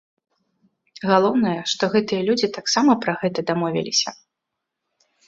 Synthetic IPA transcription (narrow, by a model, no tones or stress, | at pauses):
ɣalˠɔwnɐjɐʂt̪ɔɣɛt̪ɨjɐlʲud͡zʲit̪aksamɐpɾɐɣɛt̪ɐd̪amɔvʲḭlʲisʲɐ